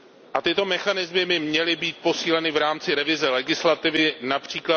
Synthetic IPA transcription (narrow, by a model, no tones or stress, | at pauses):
ʔat̪ɪt̪o̞mɛxanɪzmɪmɪmɲɛlɪbiːt̪̚po̞siːlɛnɪvɾaːmt͡sɪɾɛvɪzɛlɛɡɪslat̪ɪvɪnapr̝̥iːkla